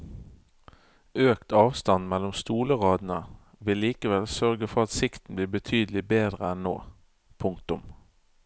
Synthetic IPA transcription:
ʔøːkt̪ʰɑːʋst̪ɑnmɛlʊmst̪uːləʁɑːd̪n̩ə | ʋɪlːiːkəʋɛlsœʁɡəfɔʁɑt̪sɪkt̪n̩bliːbət̪ʰyːd̪əl̩ɪbeːd̪ʁəɛnno̰ː | pʰʊŋkt̪ʊm

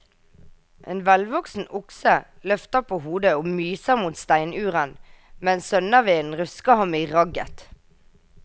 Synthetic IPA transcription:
ʔḛːnʋɛlʋɔksn̩ʊksəlœft̪əʁpʰoːhuːd̪əoːmyːsəʁmuːt̪st̪æɪnʉːʁənmɛnsœnəʋeːnn̩ʁʉskɑhɑmiːʁɑɡə̰t̪

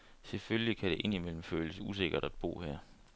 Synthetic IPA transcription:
selføljikʰæɾ̥e̝ʔe̝n̰imel̰m̩føːləsəus̬e̝ɡ̥ɐɾ̥æd̥b̥o̝̰ːhɛɐ̰

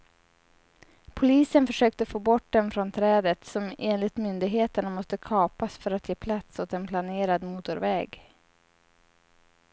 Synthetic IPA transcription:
pʰʊliːsənfœʂøːk̚t̪əfoːbɔʈ̚ːd̪ɛnfɾɔnt̪ʰɾɛːd̪ət̪sɔmeːnlɪt̪mʏnd̪ɪɡɦeːt̪əɳamɔst̪əkʰɑːpasfœɾat̪jeːpʰlat̪sɔt̪ɛnpʰlaneːɾad̪muːt̪ʊɾvɛːɡ

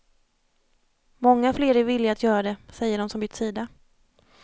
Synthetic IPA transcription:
mɔŋːafleːɾɛɾvɪlːɪaːt̪ʰjœːɾad̪ɛsɛjːəɖɔmsɔmbʏt̪ːsiːd̪a

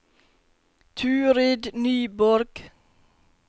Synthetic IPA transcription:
t̪ʰʉːɾeːd̪nyːbɔɾɡ̥

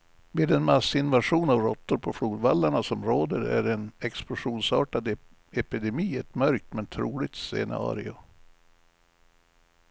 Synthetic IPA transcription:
meːd̪ɛnmasːɪnvaʂuːnavɾɔt̪ːʊɾpʰɔfluːd̪valːaɳasɔmɾoːd̪əɾæ̰ɖɛnɛksplʊʂuːnsɑːʈad̪ | ɛpɪd̪ɛmiːɛt̪mœɾk̚t̪mɛnt̪ʰɾuːlɪɡ̚t̪sɛ̰nɑ̰ːɾɪʊ

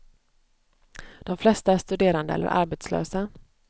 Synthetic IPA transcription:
d̪̥ɔmflɛst̪aæʂt̪ɵd̪eːɾand̪əɛ̰lːə̰ɾʔa̰ɾbeːt̪slø̰ːsa

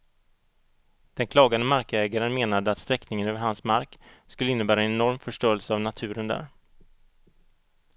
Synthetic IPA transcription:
d̪̥ɛnkʰlɑːɡand̪əmaɾkɛːɡaɾənmeːnad̪əat̪st̪ɾɛknɪŋənøːvəɾhansmaɾkskɵlːəɪnːəbæːɾaɛnɛnɔɾmfœʂʈoːəlsəavnat̪ʰʉ̟ːɾənd̪æ̰ːɾ

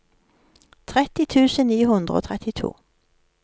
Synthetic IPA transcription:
t̪ʰʁɛt̪ɪt̪ʰʉːsənniːɦɵnd̪ʁəo̰ːt̪ʰʁɛt̪ɪt̪ʰṵː

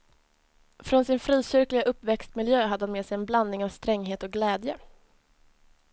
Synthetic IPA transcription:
fɾɔnsɪnfɾiːɕʏɾklɪɡaʔɵpːvɛkst̪mɪljøːɦad̪ːəhanmeːsɛjɛnbland̪nɪŋavst̪ɾɛŋːɦeːt̪ɔɡlɛːd̪jə

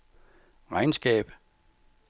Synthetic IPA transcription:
ʁɑ̈ɪnsɡ̥ɛ̰ːb̥

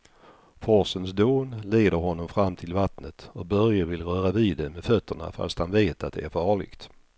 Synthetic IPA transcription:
fɔsənsd̪oːnleːd̪əɾhɔnːɔmfɾamːt̪ʰɪlvat̪nət̪ɔk̚bœɾjəvɪlɾœːɾaviːd̪ɛmɛd̪fœt̪ːəɳa̰fa̰st̪hanveːt̪at̪̚d̪ɛæɾfɑːɭɪ̰ɡt̪

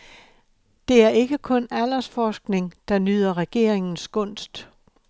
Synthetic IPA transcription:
d̥e̝æɐe̝ɡ̥əkʰɔ̽næl̰ɐsfɒːsɡ̥ne̝ŋd̥ɑ̈nyð̰ˠɐʁɛɡ̥e̝̰ɐ̰eŋn̩sɡ̥ɔ̽n̰sd̥

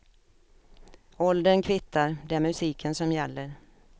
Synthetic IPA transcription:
ɔld̪ənkʰvɪt̪ːaɾd̪ɛæɾmɵsiːkʰənsɔmjɛlːəɾ

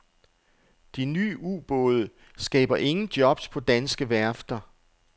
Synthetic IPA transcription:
d̥iny̰ːṵːb̥ɔːðˠə | sɡ̥ɛ̰ːb̥ɐʔe̝ŋn̩d̥jɒ̽b̥spʰɒ̽d̥ænsɡ̥əʋæɐfd̥ɐ

